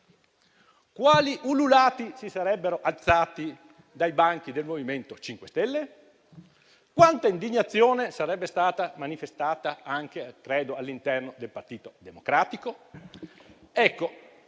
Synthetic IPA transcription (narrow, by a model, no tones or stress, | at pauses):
kwaːliʔululaːt̪isisaɾɛbːeɾoʔalt̪saːt̪i | d̪ajbaŋkid̪elmoviment̪ot͡ʃiŋkwest̪ɛlːe | kwant̪aind̪iɲːat̪sːjoːnesaɾɛbːest̪aːt̪amanifest̪aːt̪aaŋkekɾɛːd̪oalːint̪ɛrnod̪elpart̪iːt̪od̪emokɾaːt̪iko | ɛkːo